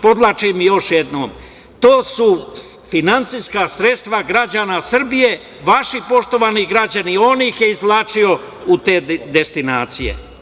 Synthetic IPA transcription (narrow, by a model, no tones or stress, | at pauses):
po̞d̪lˠat͡ʃimijo̞ʃjed̪no̰ːm | t̪oːsufinant̪sijskasɾet̪st̪ʋaɡɾad͡ʑanasr̩bije̞ | ʋaʃipo̞ʃt̪o̞ʋaniɡɾad͡ʑanio̞nixjeizlˠaːt͡ʃio̞ | ut̪e̞ːd̪e̞st̪inaːt̪sije̞̰